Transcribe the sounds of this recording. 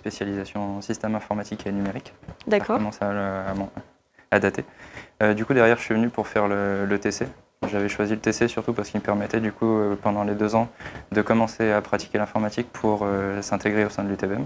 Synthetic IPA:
spesjalizasjɔ̃sist̪ɛmɛ̃fɔʁmat̪ikenymeʁikd̪akkɔɔmɑ̃salamɔ̃ | ad̪at̪eød̪ykud̪ɛʁjɛʁʒəsɥivənypuʁfɛʁlələt̪ese | ʒavɛʃwazilət̪esesyʁt̪upaʁsə̥kilməpɛʁmɛt̪ɛd̪ykuøpɑ̃d̪ɑ̃led̪øzɑ̃d̪əkɔmɑ̃seapχat̪i̥kʲelɛ̃fɔʁmat̪ik̚pʰuʁøsɛ̃t̪eɡʁeosɛ̃d̪lyt̪ebɛm

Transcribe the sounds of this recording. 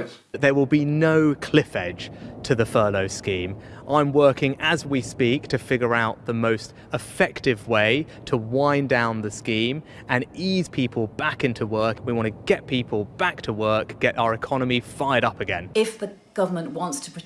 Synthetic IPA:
ʔ̪ðə˞wɪlˠbinoʊkʰl̥ɪfɛd̥ʒ̥tʰɨðəfɜːloʊskĩmʔãɪ̃mwɜˑ˞kɪ̃ŋəzwispiˑk̚tʰɨfɪɡjə˞aʊʔ̪̚ðəmoʊst | ɪfɛk̚tɪvweɪ | tʰəwãɪ̃ndãʊ̃nðɨskĩm | ɨ̃niz̥pʰiˑpʰəl̩ˠbakɪ̃ntʰəwɜ˞kwiwɑ̃ntʰəɡ̥ɛʔ̚pʰipʰəlˠb̥ak̚tʰəwɜˑ˞kɡ̥ɛɾʔaʊəɹɨkʰɒnəmifaɪəɾʌpɨɡɛ̰̃nɪfðə | ɡ̥ʌvə˞mə̃nʔwɒ̃ntstʰə̥pʰ

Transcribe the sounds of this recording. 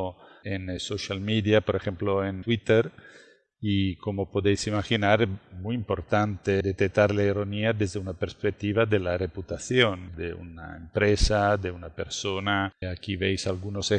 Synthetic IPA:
ensoʃalmid̪iapoɾexemploent̪wit̪eɾ | ikomopod̪ejsimaxinaɾmujimpoɾt̪ant̪ed̪et̪ek̚t̪ːaɾlaiɾoniad̪ezd̪eunapeɾspek̚t̪ːiβad̪elareput̪aθjond̪eṵna̰empɾesad̪eunapeɾsonaakivejsalɡunose

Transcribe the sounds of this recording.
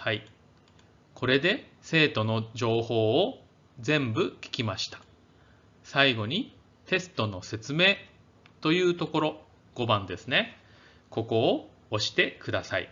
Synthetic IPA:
hai | kʰo̞ɾe̞d̪e̞se̞ːt̪o̞no̞d͡ʑo̞ːho̞ː | zẽ̞mbɯ̟kʲi̥kʲimaɕi̥t̪ḁ | saiɡo̞ɲ̟i | t̪e̞sɨ̥t̪o̞no̞se̞t͡sɨme̞ː | t̪o̞jɯ̟ːt̪o̞ko̞ɾo̞ | ɡ̥o̞bãnd̪e̞sɨne̞ | ko̞ko̞ː | oɕi̥t̪e̞kɯ̟d̪asaḭ

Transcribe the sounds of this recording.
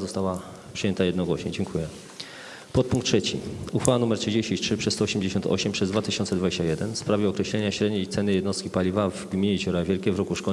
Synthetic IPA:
zɔst̪awa | pʂɨjɛnt̪ajɛd̪nɔɡwɔɕɲɛ̰d͡ʑɛŋkʰujɛ | pɔt̪̚puŋktːʂɛt͡ɕḭuxfawanumɛɾtʂɘd͡ʑeɕt͡ɕĩtʂɘpʂɛsst̪ɔːɕɛmd͡ʑeɕɔnt̪ɔ̰ɕɛmpʂɛzd̪vat̪ɘɕɔnsɛd̪vad͡ʑeɕt͡ɕajɛd̪ɛnfspɾavʲjɛɔkɾɛɕlɛɲaɕɾɛd̪ɲeit̪sɛnɘjɛd̪nɔst̪kʲipalʲivavɡmʲiɲet͡ɕɔɾavʲjɛlkʲɛvɾɔkuʂkɔ

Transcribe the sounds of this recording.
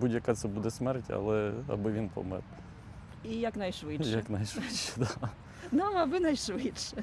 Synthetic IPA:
budʲjɐkat̪sɛbud̪ɛsmɛrtʲɐ̰lˠɛɐ̰bɪʋʲinpɔ̰mɪ̰r | ijɐknɐjʃʋɪʃjɐknajʃʋɛ̥d̪a | d̪amɐbɪnɐjʃʋɪtʃɛ

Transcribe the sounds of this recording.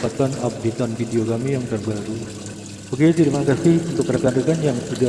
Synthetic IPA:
pat̪anap̚dit̪anfidiokamijaŋt̪ərbaɾu | bakiat̪iɾimakasɪhunt̪ʊkɾakadəkanjaŋt̪ida

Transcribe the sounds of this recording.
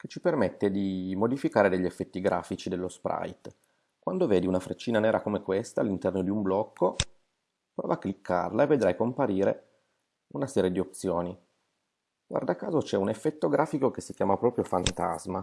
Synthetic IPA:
ket͡ʃːipermet̪ːed̪imod̪ifikaːɾed̪eʎːiefːɛt̪ːiɡɾa̰ːfit͡ʃid̪elːospɾa̰jt̪ | kwand̪oveːd̪iunafɾet͡ʃːiːnanɛːɾakomekwest̪aːlːint̪ɛrnod̪iumblɔkːo | pɾɔ̰ːvaːkːlikʰːa̰rlaevːed̪ɾajkompaɾiːɾḛ | unasɛːɾjed̪iop̪̚sjoːni | ɡ̥wa̰rd̪akːaːzot͡ʃɛunefːɛt̪ːoɡɾʔaːfikokesːikjaːmapɾɔːpɾjofant̪a̰zma

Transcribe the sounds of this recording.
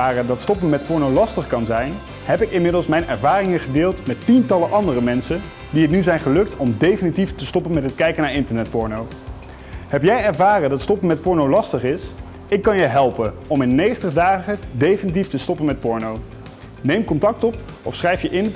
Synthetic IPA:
aːrədɑtstɔpənmɛtpɔɹnowlɑstəχkɑnzɛjn | ɦɛpɪkɪnmɪdəlˠsmɛjnʔɛɹvaːrɪŋəχədɪːlˠtmɛtːintɑləʔɑndərəmɛnsən | diɦətnyzɛjnχəlɵk̚tɔmdejfənitiftəstɔpənmɛtɦətkɛjkənaːɹɪntəɹnɛt̚pɔɹnow | ɦɛpjɛjɛɹvaːrəndɑtstɔpənmɛt̚pɔɹnowlɑstəχɪs | ɪkːɑnjəɦɛlˠpən | ɔmɪnːejχəntəχdaːχədejfənit̬iftəstɔpənmɛt̚pɔɹnow | nejmkɔntɑk̚tɔp | ɔfsχrɛjfjəʔɪn

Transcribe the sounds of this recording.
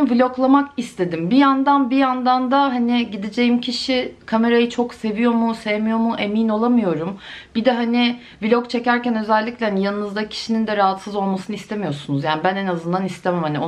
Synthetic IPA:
vilʲo̞klˠamakist̪ʰe̞d̪imbijand̪anbijand̪and̪aɦanɪɟid̪id͡ʒe̞jimcʰiʃikʰame̞ɾajɯt͡ʃʰo̞kse̞vijo̞musevemijo̞muʔe̞mino̞lˠamɯjo̞ɾumb̥id̪ɛɦanɪ | vilʲokt͡ʃʰe̞cæɾcænø̞zɛlʲːiclʲɛhanijanɯnɯzd̪acʰi̥ʃinind̪ɛɾaɦat̪sɯzo̞lˠmasɯnɯist̪ʰe̞mijo̞ɾsunuzjaːnibænenazɯnd̪anist̪ʰemɛmhanio

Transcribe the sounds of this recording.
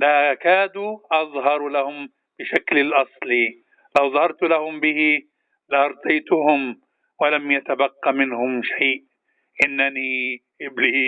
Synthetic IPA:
lakaːd̪uʔɑðˤɦɑɾˤlahʊm | b̥ɪʃaklɪlʔɑsˤli | lawðˤɑhɑɾˤt̪ʊlahʊmbɪhɪ | lɪʔɑɾˤt̪ˤɑjt̪ʊhʊm | walamjat̪abaqːamɪnhʊmʃajʔ | ʔɪnːaniʔɪbliː

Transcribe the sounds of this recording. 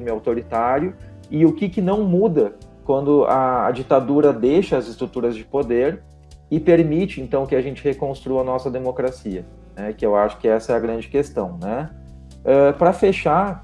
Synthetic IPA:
mɪawt̪oɾit̪aɾjʊ | ɪʊkɪkɪnɐ̃w̃mud̪ɐkwɐ̃nd̪ʊɐːd͡ʒit̪ad̪uɾɐd̪ejʃɐɐzɪst̪ɾut̪uɾɐzd͡ʒɪpod̪eɾ | ɪpeɾmit͡ʃɪẽnt̪ɐ̃w̃kɪaʒẽnt͡ʃɪhekõst̪ɾuɐnɔsɐd̪emokɾasiɐ | nɛkɪewaʃʊ̥kɪɛsɐɛɐɡɾɐ̃nd͡ʒɪkest̪ɐ̃w̃nɛ | ɛpɾɐfeʃaɾ

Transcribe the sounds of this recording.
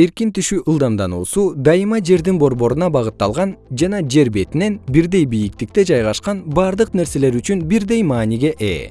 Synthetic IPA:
e̞ɾkint̪yʃyʔɯlˠd̪ɑmd̪ɑnuːsud̪ɑjɯmɑd͡ʒe̞ɾd̪inbo̞ɾbo̞ɾunɑbɑʁɯt̪ːɑlˠʁɑnd͡ʒɑnɑd͡ʒe̞ɾbe̞t̪ine̞nbiɾd̪e̞jbijik̚t̪ik̚t̪e̞d͡ʒɑjʁɑʃqɑnbɑɾd̪ɯqne̞ɾse̞le̞ɾyt͡ʃynbiɾd̪e̞jmɑːniɡe̞ʔe̞̰ː

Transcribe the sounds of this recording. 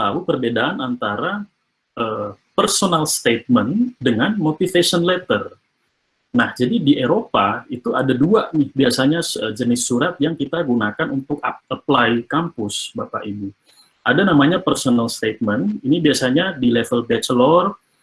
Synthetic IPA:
t̪aupərbedaanant̪aɾa | ʔəː | pərsonalst̪et̪̚məndəŋanmot̪ifesɔnlɛt̪ər | nahd͡ʒadidiʔeɾopait̪uadaduanɪhbiasaɲaəd͡ʒənɪsːuɾat̪̚jaŋkit̪aɡunakanunt̪ʊkaaplaikampʊsbapa̰ʔibu | ʔadanamaɲapərsonalst̪et̪̚məninibiasaɲadilefəlbɛt͡ʃlɔr

